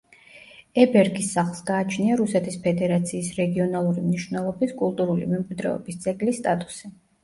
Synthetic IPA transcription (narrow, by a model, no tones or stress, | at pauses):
ɛbɛɾɡisːaχlˠsɡaːt͡ʃʰniaɾusɛt̪ʰispʰɛd̪ɛɾat̪sʰiːsɾɛɡiɔnalˠuɾimniʃvnɛlˠɔbiskʼulˠt̪ʼuɾulḭmɛmkʼwid̪ɾɛ̰ɔ̰bist̪sʼɛkʼlist̪ʼat̪ʼu̥si